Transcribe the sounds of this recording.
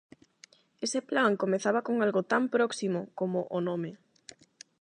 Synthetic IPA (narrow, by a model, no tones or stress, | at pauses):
eseplaŋkomeθaβakoŋalɣʊt̪ampɾɔksimʊkomʊʔonome